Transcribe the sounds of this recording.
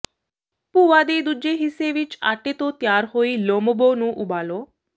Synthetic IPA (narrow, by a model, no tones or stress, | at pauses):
puʋad̪ed̪ud͡ʒeɦiseʋit͡ʃa̰ʈet̪ot̪jaɾɦoiloməbonũːʔubalo